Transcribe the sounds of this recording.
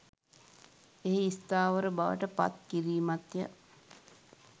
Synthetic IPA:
eɦeist̪aːʋəɾəbaʋə̰ʈəpa̰t̪̚kiɾiːmat̪jə

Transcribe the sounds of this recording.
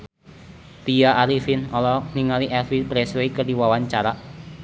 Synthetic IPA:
t̪ijaʔːɾifinɔlɔniŋaliʔɛfipɾɛswekədiwawaɲt͡ʃaɾaʔ

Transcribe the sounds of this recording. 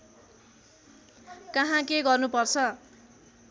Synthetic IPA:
kʌɦãkeɡʌrnupʌrt͡sʰʌ

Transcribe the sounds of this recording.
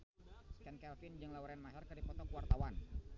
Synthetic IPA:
kɛnkɛlfɪnd͡ʒɨŋlawɾɛnmasarkɨrdipɔt̪ɔkuwart̪awan

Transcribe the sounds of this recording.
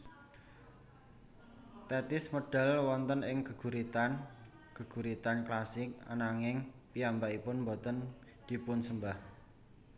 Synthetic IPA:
t̪ɛt̪ɪsmoɖ̥ɛ̤lwɔnt̪ənɪŋkə̤ɡ̥ṳɾit̪an | kəɡ̥ṳɾit̪anklasɪk̚a̰naŋɪŋpijambaʔipʊnmbɔt̪ən | d̪̥i̤pʊnsəmbah

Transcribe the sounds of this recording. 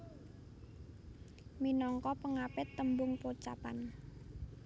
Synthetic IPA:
minɔŋkɔpəŋapɪt̪ːəmbʊŋpot͡ʃa̰pa̰n

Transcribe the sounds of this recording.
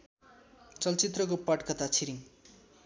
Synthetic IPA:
t͡sʌlt͡sit̪rʌkopaʈkʌt̪at͡sʰiɾiŋ

